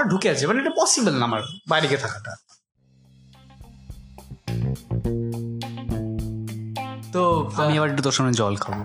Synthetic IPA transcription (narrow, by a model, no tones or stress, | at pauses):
aɖʱukeat͡ɕʰebaniʈapɔsibəlnamaɾbajɾiket̪ʰakaʈa̰ | t̪oamiɛbaɾeʈːut̪oɾʃɔmɔed͡ʑɔlkʰabo